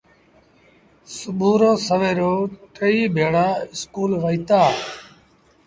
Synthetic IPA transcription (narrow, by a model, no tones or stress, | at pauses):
sʊɓʱuːɾoːsəʋeːɾoːʈʰəiːbʱeːɽaːɪskuːlʋəiːt̪aː